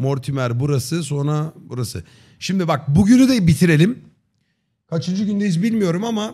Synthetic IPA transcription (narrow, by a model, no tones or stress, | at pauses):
mo̞ɾt̪ʰimæɾbuɾasɯso̞nɾabuɾasɯ̰ | ʃimd̪ibak̚buɟynyd̪ɛbit̪ʰiɾe̞lʲim | kʰat͡ʃʰɯnd͡ʒɯɟynd̪ejizbilʲmijo̞ɾumama